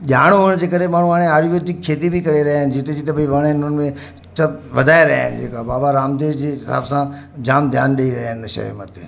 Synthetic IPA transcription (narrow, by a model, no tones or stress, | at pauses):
ʄaːɽ̃ɦʊɽ̃d͡ʑeːkəɾemaːɳ̤ũaːɽ̃ẽaːɾiʋət̪ikʰːeːt̪ibʱikɐɾeɾɐɦaːɪnɪ̆d͡ʑɪt̪ed͡ʑit̪̬ɐbʱɐiʋɐɽ̃ɪnʊnmẽ | t͡ʃəʋɐd̪ʱaːeɾɐɦa̰ːɪ̰n̰d͡ʑḛːkabaːbaɾaːmd̪eːʋd͡ʑeːɪsa̰ːbsãd͡ʑaːmd̪ʱjaːnɗeiɾɐɦnɪəʃɐ̰ɦmə̰t̪e